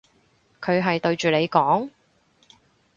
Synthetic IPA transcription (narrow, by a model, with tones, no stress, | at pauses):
kʰɵ˨˧ɥɦɐ˨jt̪ɵ˧ɥt͡ʃyː˨ne˨˧jkɔː˨˥ŋ